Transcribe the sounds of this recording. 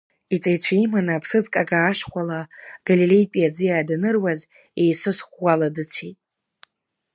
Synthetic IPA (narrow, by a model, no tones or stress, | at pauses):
it͡sʼajt͡ɕʷʰaimanaːpʰsɨd͡zkʼaɡaːʂχʷalaɡ̥alilejpʼiad͡zɨjaːdanɨrwaz | ejsɨsχʷːaladɨt͡sʷʰitʼ